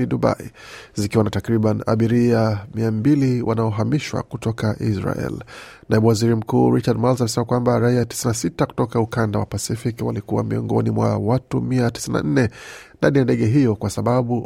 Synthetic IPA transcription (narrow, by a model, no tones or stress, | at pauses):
iɗuɓa̰izikiwanatakɾiɓana̰ɓiɾiamiambiliwʔanaɔɦamiʃwa̰kutɔkaʔisɾa̰ɛ̰lnaiɓuwaziɾim̩kuːɾit͡ʃad̚malsamɛsɛmakwambaɾaiati̥sinasitaku̥tɔkaukandawa̰pasifikwa̰likuwa̰miɔ̰ŋɡɔnimwa̰watumiati̥sina̰n̩nɛndanijandɛɠɛɦijɔkwasaɓaɓu